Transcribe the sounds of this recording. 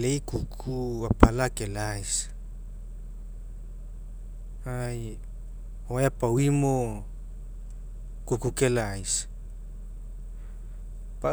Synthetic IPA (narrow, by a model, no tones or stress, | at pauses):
lejkukʰuapalakelajs | aj | oajapawimo | kukukelajs | pa